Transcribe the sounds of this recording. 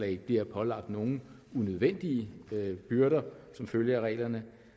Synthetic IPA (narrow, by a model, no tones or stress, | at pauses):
lɛ̰ɪb̥liɐpʰɒ̽lɑ̈ɡ̥̚d̥no̝ːn̩ | unøð̞ˠʋen̰d̥iəb̥yɐɾɐsɒ̽mføljɐʁɛ̰ːlɐnə